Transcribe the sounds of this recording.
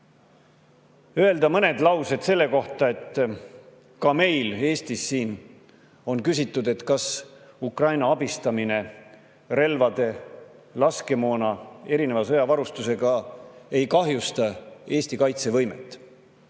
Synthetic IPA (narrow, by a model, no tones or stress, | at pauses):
øe̞ld̪ɑmɤne̞d̪̥lɑwse̞d̪̥se̞lːe̞ko̞ht̪ˑɑe̞t̪ː | kɑme̞jle̞ːst̪isːiːn | o̞nkysʲit̪ːˑud̪e̞t̪ːkɑs | ukrɑjnɑɑbist̪ɑmine̞ | ɾe̞lvɑd̪̥e̞lɑske̞mo̞ːnɑe̞ɾine̞vɑsɤjɑvɑɾust̪use̞ɡ̥ɑe̞jkɑɦjust̪ɑe̞ːst̪ikɑjt̪se̞vɤjmḛt̪ːˑ